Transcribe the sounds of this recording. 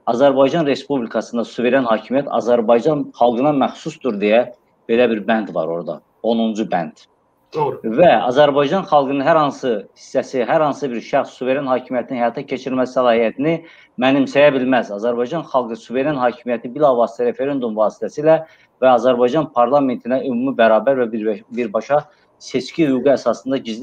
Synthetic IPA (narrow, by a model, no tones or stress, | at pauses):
ɑzæɾbɑjd͡ʒɑnɾe̞spublikʰɑsɯnd̪ɑsuve̞ɾænhɑːcʰimijæt̪ʰɑ̰zæɾbɑjd͡ʒɑnχɑlˠɡɯnɑmæxsusd̪uɾd̪ejæ | b̥e̞læbiɾbænd̪vɑ̰ɾo̞̰ɾd̪ɑ̰ | o̞nund͡ʒubæ̰nd̪̥ | væɑ̰zæɾbɑjd͡ʒɑnχɑlˠɡɯnɯnɦæɾhɑnsɯhi̥sːæsiɦæɾhɑnsɯbiɾʃæχsːuve̞ɾjɑnhɑːcʰimijæt̪ʰininhæjɑt̪ʰɑcʰe̞t͡ʃʰiɾmæsi̥sælˠɑːhiæt̪ʰini | mænimsæjæbilmæzɑzæɾbɑjd͡ʒɑnχɑlˠɡɯsuve̞ɾenhɑːcʰimijæt̪ʰibilɑvɑːsi̥t̪ʰæɾe̞fe̞ɾe̞nd̪umvɑːsi̥t̪ʰæsilæ | væɑzæɾbɑjd͡ʒɑnpʰɑɾlˠɑme̞nt̪ʰinæʔymumibæɾɑːbæɾvæbiɾbɑʃɑ | se̞t͡ʃcʰihyɡuæsɑsɯnd̪ɑɟiz